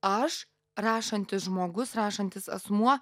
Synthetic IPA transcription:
ɐʃ | rɑːʃɐnʲt̪ʲɪsʒmoːɡʊsɾɑːʃɐnʲt̪ʲɪsɐ̰smuɔ

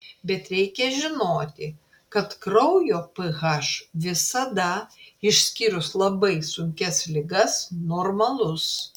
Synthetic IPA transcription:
bʲɛt̪ɾʲɛɪkʲɛʒʲɪnoːt̪ʲɪ | kɐt̪kɾɐʊjoːpɨɣɐʃʋʲɪsɐd̪ɐɪʃʲsʲkʲiɾʊslˠɐbɐɪsʊŋʲkʲɛslʲɪɡɐsnoːɾmɐlˠʊs

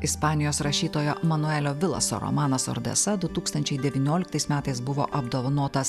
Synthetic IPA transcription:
ɪspɑːnʲɪjoːsɾɐʃʲiːt̪oːjomɐnʊɛlʲoːʋʲɪlˠɐ̰so̰ɾɔ̰mɑːnɐsɔ̰ɾd̪ʲɛ̰sɐd̪ʊt̪uːkst̪ɐnʲt͡ʃʲɛɪd̪ʲɛʋʲɪnʲoːlʲɪk̚t̪ɐɪsmʲæːt̪ɐɪsbʊʋo̰ːʔɐbd̪oːʋɐnoːt̪ɐs

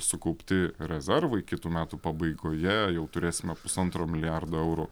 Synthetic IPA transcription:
sʊkɐʊpʲt̪ʲɪɾʲɛzʲɛrʋɐɪkʲɪt̪uːmʲæːt̪upɐbɐɪɡoːjɛjɛʊt̪ʊɾʲeːsʲɪmʲɛpʊsɐnt̪ɾoːmʲɪlʲɪjærd̪oːɛʊɾu

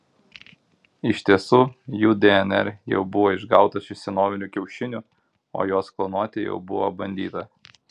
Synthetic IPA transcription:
ɪʃʲt̪ʲiɛsʊjuːd̪ʲɛɛnɛ̰ɾjɛ̰ʊbʊʋoːɪʒɡɑˑʊt̪ɐʃɪsʲɛnoːʋʲɪnʲukʲɛʊʃʲɪnʲʊˑ | o̰ːjoːsklˠɐnuɔt̪ʲɪjɛ̰ʊbʊʋo̰bɐnʲd̪ʲiːt̪ɐ

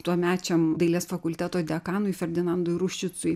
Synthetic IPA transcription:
t̪uɔmʲæːt͡ʃʲɛmd̪ɐɪlʲiːsfɐkʊlʲt̪ʲæːt̪oːd̪ʲɛɐkɑːnʊɪfʲɛɾʲd̪ʲɪnɐnd̪ʊɪɾʊʃʲt͡ʃʲɪt̪sʊj

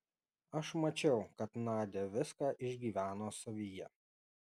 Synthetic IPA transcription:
ɐʃmɐt͡ʃʲɛʊkɐt̪nɑːd̪ʲeʋʲɪskɑːʔɪʒʲɡʲiːʋʲæːnoːsɐʋʲijɛ

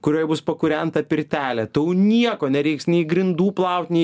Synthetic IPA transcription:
kʊɾʲoːjɛbʊspɐkʊɾʲɛnt̪ɐpʲɪɾʲt̪ʲæːlʲɛt̪ɪjoʊnʲiɛkoːnʲɛɾʲɛɪksnʲɛɪɡɾʲɪnd̪uːplˠɐʊt̪ʲnʲɛɪ

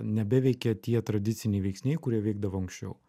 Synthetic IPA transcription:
nʲɛbʲɛʋʲɛɪkʲɛt̪ʲiɛt̪ɾɐd̪ʲɪt̪sʲɪnʲɛɪʋʲɛɪksʲnʲɛɪkʊɾʲiɛʋʲɛɪɡ̚d̪ɐʋoɐŋkʃʲt͡ʃʲɛ̰ʊ

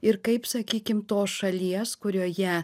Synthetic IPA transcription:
ɪɾkɐɪpsɐkʲiːkʲɪmt̪oːsʃɐlʲiɛskʊɾʲoːjɛ

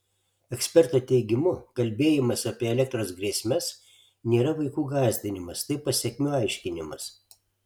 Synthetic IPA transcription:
ɛksʲpʲɛɾt̪ot̪ʲɛɪɡʲɪmʊkɐlʲbʲeːjɪmɐsɐpʲiɛɛlʲɛk̚t̪ɾoːsɡɾʲeːsʲmʲɛs | nʲeːɾɐʋɐɪkuːɡɑːzʲd̪ʲɪnʲɪmɐst̪ɐɪpɐsʲɛkʲmʲʊɑɪʃʲkʲɪnʲɪmɐs

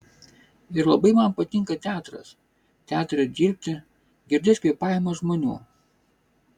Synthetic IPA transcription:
ɪɾlˠɐbɐɪmɐmpɐt̪ʲɪŋkɐt̪ʲæːt̪ɾɐ̰s | t̪ʲæːt̪ɾʲɐd̪ʲiːɾʲpʲt̪ʲɪ | ɡʲɪɾʲd̪ʲɪsʲpʲiɛpɑːjɛmoːʒmoːnʲṵː

